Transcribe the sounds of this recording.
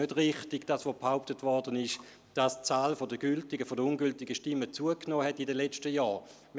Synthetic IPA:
ødʁɪχtɪɡd̥asʋobhaʊp̚tətvɔɐdənɪʃ | d̥ast͡saːlfodəɡ̥yltɪɡəfodəunɡyltɪɡəʃtɪmːət͡suəknoːhɛtːidəlɛt͡ʃtəjɑː | m

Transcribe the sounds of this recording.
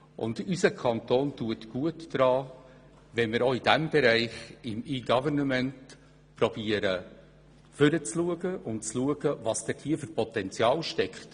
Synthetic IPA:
ʔʊ̰ndysəkʰɑntoːntuətɡ̥uətd̥ɾɑː | vɛnmɪɾoːid̥æmb̥ɛɾæɪχɪmiːɡɑvərnəmɛnt | pɾɔb̥iːəɾə | fʏɾət͡sluəɡəʔʊntt͡sluəɡ̥əvɑst̪ɛthiːəfʏrpʰɔtɛnt͡sjɑːlʃtɛkχt

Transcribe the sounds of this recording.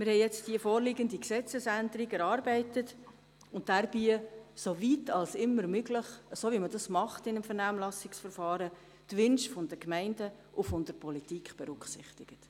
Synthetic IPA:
mɪɾhɛɪjɛt͡std̥iəfɔːɾliɡəndiksɛt͡səsændəɾiɡɛɾɑːɾbɛɪtət | ʊnt̚d̥æɾb̥isovitʰɑlsɪmːəɾmøɡlɪχəsoʋimədɑsmɑχtɪnəmfəɾnæːmlɑsɪksfəɾfɑːɾə | d̥ʋʏnʃfʊndəkmɛɪndə | ʔʊfʊndəɾpʰɔlitikχb̥ɛɾʉksɪ̰χtɪɡ̥ət

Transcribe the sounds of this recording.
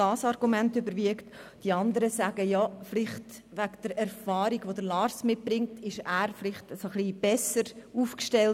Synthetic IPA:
ɑːsɑɾɡ̥umɛntybəɾviəktd̥iɑndəɾəsæːɡəjɑflɪχt | ʋæɡd̥əɾɛɾfɑːɾiɡʋodəlɑːɾsmɪt̚b̥ɾɪŋtɪʃæːɾflɪχtsoχliːb̥ɛsəɾuːfkʃtɛl

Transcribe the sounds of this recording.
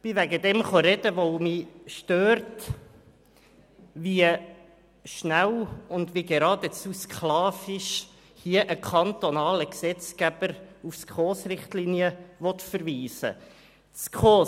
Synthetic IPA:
b̥ɪvæɡəd̪ɛmχɔɾɛdəʋomiʃtøːɾt | ʋiə | ʃnæwʊnd̪ʋiɡeɾɑːd̥ət͡suskχlɑːfɪʃ | hiəʔəkʰɑnt̪onɑːləksɛt͡sɡæb̥əɾufskχoːsɾɪχtliniəʋɔt̪fəɾviːsə̰ | t͡skχoː

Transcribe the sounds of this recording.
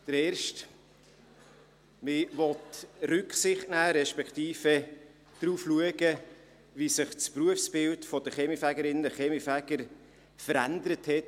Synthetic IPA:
d̥əɾɛːɾʃt | mɪʋɔtrʉksɪχtnæːɾɛʃpɛktiːfɛ | d̥ɾuːfluəɡə | visɪχt͡spruəfsb̥ɪltfɔdəχɛmifæɡəɾɪnəχɛmifæɡ̥əɾ | fəɾændəɾəthɛt

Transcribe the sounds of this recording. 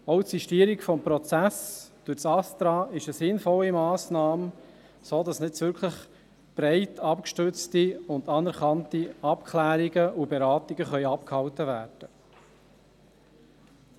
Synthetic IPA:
ɔʊtsiʃtiːəɾikfɔmpɾɔt͡sæsd̥uɾt͡sɑst̪ɾɑːɪʃəsɪnfɔlːimɑːsnɑːm | soːdɑsnɪt͡sʋʏɾkʰləχ | b̥ɾɛɪtʰɑpkʃtʏɾt͡stiʊndɑnɛɾχɑntiɑpkʰlæːɾiɡəubeɾɑːt̪iɡəχœʏɑpkhɑwtəvæːɾd̥ə

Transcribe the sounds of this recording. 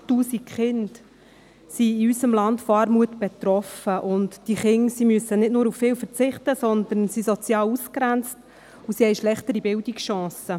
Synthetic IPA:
tuːsikχɪnd | siːysəmlɑntfoɑːɾmuətb̥ɛt̪ɾɔfəʔʊntd̥iχɪŋsimyəsənɪtnʊːɾuffɪːwfəɾt͡sɪχtəsɔnd̪ənsisɔt͡sjɑːluskɾænt͡st | usihɛɪʃlɛχtəɾibɪldiksʃɑ̃ːsə

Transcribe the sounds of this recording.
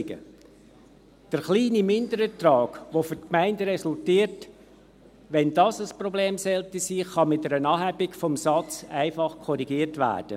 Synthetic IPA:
ɡə̰ | d̥əɾχliːnimɪndəɾətrɑːɡʋofʏtkmæɪndəɾɛsʊltiːət | ʋɛndɑsəsprɔbleːmsɛltisiːχɑmɪt̚dɛɾənɑːɦæbɪkfɔmsɑt͡sæɪfɑχkʰɔɾiɡiːətʋæ̰ːɾd̥ə̰

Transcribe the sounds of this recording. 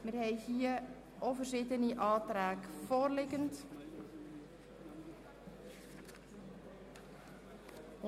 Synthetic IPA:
mərhɛjhiə | ʔɔvərzɪtəniʔɑːtraːkfoːrlɪkənt

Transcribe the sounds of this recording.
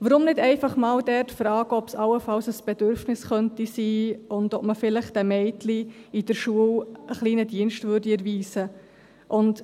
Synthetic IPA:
ʋəɾʊmnɪdɛɪfɑχmɑːwdɛrtfɾɑːɡ̥əɔpsɑwəfɑwsəsb̥ɛdøɾfnɪsχœntisiːʊndɔpməfɪləχtd̥ɛmɛɪtliid̥əɾʃuəwəχliːnədiənʃtvʏɾdiɛɾviːsə | ʔʊnt

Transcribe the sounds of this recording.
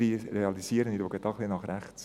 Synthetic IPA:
iɾeɑlisiəɾəniɾoɡət̚ɑːχlinɑχɾæχt͡s

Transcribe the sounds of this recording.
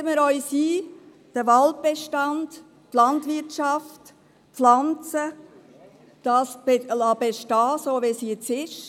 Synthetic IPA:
əməɾɔʏsiː | d̥əʋɑlt̚b̥eʃtɑnd̥ | tlɑntʋɪɾtʃɑft | flɑnt͡sə | d̥ɑːsbelɑbeʃtɑːsoːʋesiɛt͡sɪʃ

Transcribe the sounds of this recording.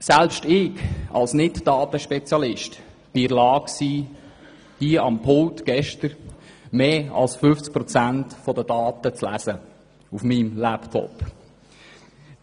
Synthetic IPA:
sælpʃtɪɡɑ̰lsnɪtd̥ɑːtəʃpɛt͡sjɑlɪʃt | b̥ɪɪlɑːksiː | d̥iəɑmpʰʊltɡ̥ɛʃtəɾmeːɑ̰lsfʏft͡sk̚pɾɔt͡sæntfɔdəd̥ɑːtət͡slæ̰sə | ufmimlæptʰɔ̰p

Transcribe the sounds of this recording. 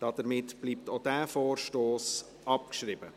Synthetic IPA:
d̥ɑd̥əɾmɪtb̥liːp̚tod̥æːfoːrʃtoːs | ɑpkʃrɪbə

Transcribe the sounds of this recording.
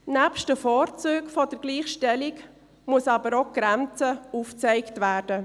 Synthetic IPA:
næpʃtəfɔːɾt͡søːkfodəɾɡ̥liːχʃtɛlɪk | muəsɑːbəɾoɡ̥ɾɛnt͡səuːft͡sɛɪktvæːɾdə

